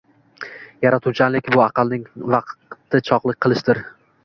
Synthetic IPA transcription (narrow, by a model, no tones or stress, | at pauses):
jaɾat̪ʰut͡ʃʰanlɪkʲbʊɑqʰɑlˠnɪŋvɑqt̪ʰːɪt͡ʃʰɒqlˠɪk̚ʲqʰɨlˠɪʃd̪ɪɾ